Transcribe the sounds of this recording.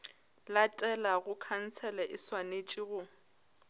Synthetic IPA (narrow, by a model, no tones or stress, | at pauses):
latʼɛlaɣʊkʰan̩t͡sʰɛlɛʔɪswanet͡ʃʼiɣʊ